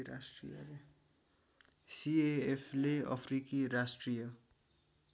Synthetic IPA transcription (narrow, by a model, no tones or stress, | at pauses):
ɾasʈrḭjʌ̰le | sieːpʰleʌ̰pʰrikiɾasʈrijʌ